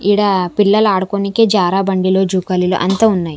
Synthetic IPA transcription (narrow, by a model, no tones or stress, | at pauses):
iɽaːpiɭːɐlaːɽukonikeːd͡ʒaːɾaːbɐɳɖilo̞ːd͡ʒuːkɐlilo̰ʔɐnt̪aːunːaːji